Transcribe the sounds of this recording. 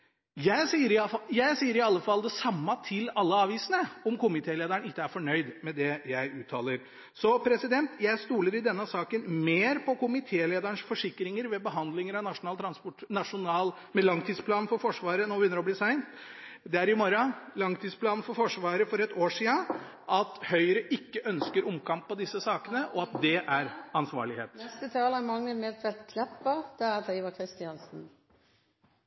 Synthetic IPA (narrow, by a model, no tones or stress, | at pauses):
jæɪsiːəɾɪjæɪsiːəɾɪɑlːəfɑld̪ɛsɑmːɑt̪ʰɪlɑlːəɑːʋiːsənəɔmkʊmɪt̪ʰeːleːd̪əɳɪkːəæɾfɔɳœʏd̪mɛd̪ɛjæɪʔʉːt̪ʰːɑːləɾ | sɔpʰɾɛsɪd̪ɛnt̪jæɪst̪uːləɾɪd̪ɛnːəsɑːkənmeːɾpʰɔkʊmɪt̪ʰeːleːd̪əɳʂfɔʂɪkːɾɪŋəɾʋɛbəɦɑnd̪lɪŋəɾɑnɑʂʊnɑːlt̪ʰɾɑnspɔʈnɑʂʊnɑːl | mɛlɑŋt̪ʰiːspʰlɑːnn̩fɔɾfɔʂʋɑːɾənoːʋʏnːəɾɔbliːsæɪnt̪d̪ɛæɾɪmɔɾɑlɑŋt̪ʰiːspʰlɑːnn̩fɔɾfɔʂʋɑːɾəfɔɾɛt̪oːʂiːə | ʔɑt̪hœʏɾəʔɪkːəʔœnskəɾʊmkʰɑmpːɔd̪ɪsːəsɑːkənəʔɔɑt̪̚d̪ɛʔæɾɑnsʋɑ̰ːɭɪhḛːt̪nɛst̪ət̪ʰɑːləmɑŋnəlmɛlt̪ʰʋɛlt̪kʰnɛpːəd̪̥ɛæt̪ʰiːʋɑkʰɾɪst̪ɪɑnsn̩